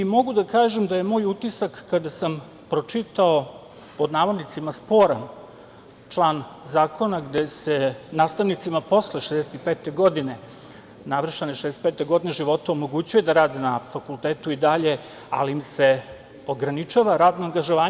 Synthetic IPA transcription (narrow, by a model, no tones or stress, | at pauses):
imo̞ɡud̪akaːʒemd̪aje̞mo̞ːjut̪isakːad̪asam | pɾo̞t͡ʃit̪ao | po̞d̪naːʋod̪nit̪simaspo̞ɾam | t͡ʃlˠaːnzaːkʰo̞naɡd̪ese̞naːst̪aʋnit̪simapo̞sleʃezd̪eset̪ipeːt̪e̞ɡo̞d̪ine̞ | naʋɾr̩ʃt̪aneʃezd̪eset̪pet̪eɡo̞d̪ineʒiʋo̞t̪aomo̞ɡut͡ɕuje̞d̪aɾaːd̪inafakulˠt̪eːt̪uid̪aʎe̞ | a̰liːmse̞ | oɡɾanit͡ʃaʋaɾaːd̪noaŋɡaʒo̞ʋaː